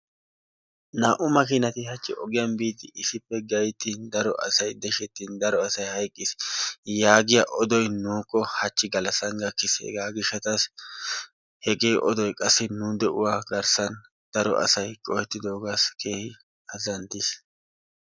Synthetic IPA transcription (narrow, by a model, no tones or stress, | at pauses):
naːʔʊmɐkiːnɐt̪ɪhɐt͡ʃːɪ̰ʔɔɡɪjɐnbiːd̪ɪʔɪsɪpːɛɡɐjt̪ːiːnd̪ɐɾɔʔɐ̰sɐjd̪ɛʃɛt̪ːiːnd̪ɐɾɔɐsɐjhɐjkʼːɪsjaːɡɪjaʔɔd̪ɔjnuːkʼːɔhɐt͡ʃːɪɡɐlɐsɐŋɡɐkːɪsɛ̰ɡaːɡɪʃːɐt̪ɐs | hɛɡe̞ːʔɔd̪ɔjkʼɐsːɪnud̪ɛʔʊwaːɡɐɾsɐn | d̪̥ɐɾɔ̰ʔɐ̰sɐjkʼɔhɛt̪ːɪd̪o̞ːɡaskʰeːhɪ | ɐzɐnt̪ɪs